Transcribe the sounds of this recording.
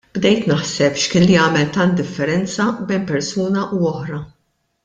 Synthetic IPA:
b̥d̪ɛjt̪nɐħsɛpʃkɪːnliɐːmɛlt̪ɐnt̪̚d̪ɪfːɛɾɛnt͡sɐbɛjnpɛɾsuːnɐʔuɔħɾɐ

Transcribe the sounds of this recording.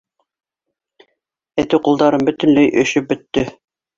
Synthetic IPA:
æ̆t̪ɘqŭlˠd̪ɑɾɤmbɵ̆t̪ɵ̆nlæjʔɵ̆ʃɵp̚bɵ̆t̪ːɵ

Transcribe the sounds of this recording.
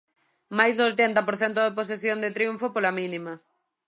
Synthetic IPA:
majzðojt̪ɛnt̪ɐpoɾθɛnt̪oðepos̬esjond̪et̪ɾiuɱfopolaminimɐ

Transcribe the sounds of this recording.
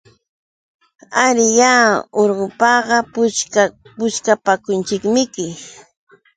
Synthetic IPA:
aɾɪjaoɾɢʊpɑɢɑpʊpʊʃkapakʊnt͡ʃɪkmɪkɪ

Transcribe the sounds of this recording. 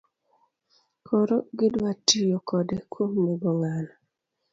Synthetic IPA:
kʰɔɾɔɡɪdwatijokɔdekʰwomnebɔŋana

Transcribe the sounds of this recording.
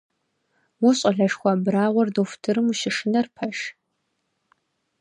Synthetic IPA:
wʊɕʼɐɮɐʂxʷaːbraːʁʷɔrdoftʰɨɾɨmuʃɪʂɨnɐrpʰɐʂ

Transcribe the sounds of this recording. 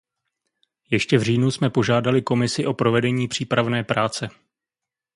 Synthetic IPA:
jɛʃcɛvr̝iːnusmɛpo̞ʒaːdalɪko̞mɪsɪʔo̞pɾo̞vɛdɛɲiːpr̝̥iːpɾavnɛːpɾaːt͡sɛ

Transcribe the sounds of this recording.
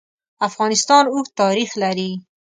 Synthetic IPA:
afɣɑnɪst̪ɑnukt̪ɑɾixlaɾi

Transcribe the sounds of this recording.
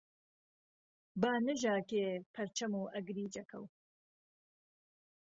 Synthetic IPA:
baːnɨʒaːkeːpʰɐɾt͡ʃʰɐmuːʔɐɡɾiːd͡ʒɐkʰɐ̰w

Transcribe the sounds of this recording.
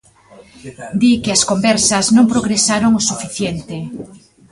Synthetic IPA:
d̪ikɪɐskombɛɾsɐznõŋpɾoɣɾesaɾoŋʊsufiθjent̪ɪ

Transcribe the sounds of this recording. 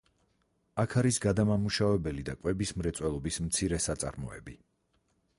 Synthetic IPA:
akʰaɾisɡad̪amamuʃavɛbɛlid̪akʼwɛbismɾɛt̪sʼwɛlˠɔbismt̪sʰiɾɛsat̪sʼa̰ɾmɔ̰ɛ̰bi

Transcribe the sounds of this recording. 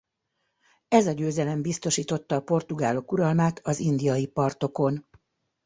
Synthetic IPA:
ɛzɒɟøːzɛlɛmbist̪o̞ʃiːt̪o̞t̪ːɒːpo̞rt̪uɡaːlo̞kuɾɒlmaːt̪ʰɒzind̪ijɒjipɒrt̪o̞ko̞n

